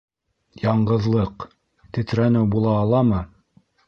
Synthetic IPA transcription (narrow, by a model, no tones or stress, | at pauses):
jɑɴɢɤ̆ðlˠɤq | t̪ɘ̆t̪ɾænɘwbulˠɑːlˠɑmɤ